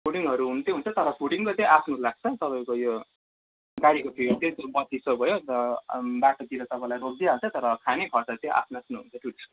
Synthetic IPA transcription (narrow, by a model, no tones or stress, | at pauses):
pʰuɽiŋʌɾuɦunt̪eɦunt͡sʰʌt̪ʌɾʌpʰuɽiŋkot͡sẽapʰnulaɡ̚t͡sʰʌt̪ʌpaĩkojo | ɡaɾikopʰilt̪ẽt̪obʌt̪ːisʌbʱʌjoʌbaʈot̪iɾʌt̪ʌpãlajɾok̚d̪iɦat͡sʰʌt̪ʌɾʌkʰanekʰʌt͡sʰʌt͡sẽʔa̰pʰnaasnuɦunt͡sʰʌʈʰuʈt͡sʰʌ̥